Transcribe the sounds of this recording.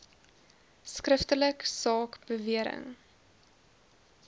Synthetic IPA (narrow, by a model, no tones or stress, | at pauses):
skrəftələksɑːkb̥əviəɾə̰ŋ